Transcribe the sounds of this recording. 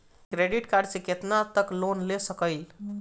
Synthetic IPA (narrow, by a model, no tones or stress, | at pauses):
kɾeɖiʈkaɾɖsẽket̪nat̪əklonlesəkəɪl